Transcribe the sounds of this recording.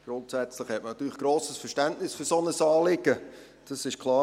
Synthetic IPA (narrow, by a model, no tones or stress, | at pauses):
ɡ̥ɾʊntsɛt͡slɪχhɛt̚mənɑt̪ːyːlɪχɡ̥ɾoːsəsfɛʃtæntnɪsfɵɾsonəsɑːlɪɡ̥ə | d̥ɑsɪʃkʰlˠɑː